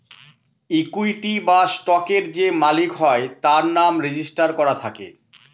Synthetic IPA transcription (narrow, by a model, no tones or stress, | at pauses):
ikujʈibasʈɔkeɾd͡ʑemalikɦɔet̪aɾnamɾed͡ʑisʈaɾkɔɾat̪ʰakḛ